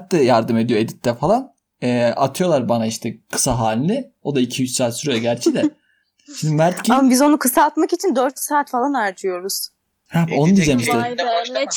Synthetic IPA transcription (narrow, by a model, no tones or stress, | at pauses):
t̪d̪ɛjaɾd̪ɯme̞d̪ijo̞e̞d̪it̪ʰːɛfalˠan | ɛat̪ʰɯjo̞lˠaɾbanaiʃt̪ʰɛkʰɯ̥saɦaːlʲinɪo̞d̪aicʰijyt͡ʃsaːt̪syɾaɟæɾt͡ʃʰid̪ɛ | ʃimd̪imæɾt̪ciamabizo̞nukʰɯsaːt̪makit͡ʃʰind̪øɾt̪ʰsaːt̪falˠanaɾd͡ʒʰɯjo̞ɾuz̥ | hɛbo̞nud̪izemiʃd̪ɛ